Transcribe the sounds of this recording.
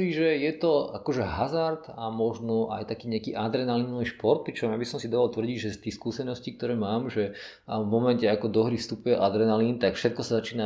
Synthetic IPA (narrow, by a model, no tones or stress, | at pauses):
iːʒɛjɛt̪ɔa̰kɔʒɛɦazaɾt̪amɔʒnɔʔa̰jt̪akiːɲɛakiːʔad̪ɾɛnalinɔʋiʃpɔɾt̪̚pɾit͡ʃɔmjabisɔmsid̪aːʋalt̪ʋr̩ɟiɟʒɛst̪iːxskuːsɛnɔscik̚t̪ɔɾɛːmaːmʒɛ | vmɔmɛncɛakɔd̪ɔɦɾifst̪upujɛʔad̪ɾɛnalint̪akfʃɛt̪̚kɔsazat͡ʃiːna